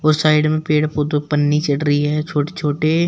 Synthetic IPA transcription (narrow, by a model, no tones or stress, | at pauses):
ɔːɾsaːɪɖmẽpeːɽpod̪opənːit͡ʃɐɽɾəiɦɛːt͡ʃʰoːʈe̥t͡ʃʰoːʈe